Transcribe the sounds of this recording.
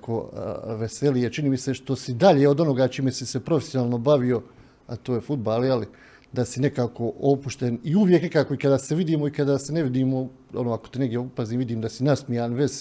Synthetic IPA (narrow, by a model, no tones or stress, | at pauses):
ko̰ʋeselijet͡ʃiniːmise̞ʃt̪o̞sid̪aʎeːo̞d̪o̞no̞ɡaːt͡ʃiːmesise̞pɾofesjonaːlˠno̞baʋio̞ | a̰t̪oːjefud̪̚baːljeli | d̪asine̞kaːko̞o̞puʃt̪eniuʋje̞knekaːko̞ikad̪aːseʋid̪iːmo̞ikad̪aːseneʋid̪iːmo̞ | o̰noːakot̪eneɡd̪ʲjepaziːmʋid̪iːmd̪asinasmijaːnʋez